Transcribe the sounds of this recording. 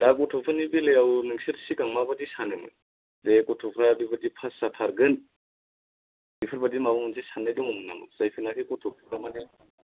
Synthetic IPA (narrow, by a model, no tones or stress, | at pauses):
daɡɔtʰɔpʰɯnibilejawnɯŋsiɾsikaŋmabadisanɯŋɯ̰ | dekɔtʰɔpʰɾabibadipʰasːatʰaɾɡɯn | bipʰɯɾbadimabɔmɯnsesanːajdɔŋɔmɯnamɯ̰z̥ajpʰɯnakʰikɔtʰɔpʰpʰɾamane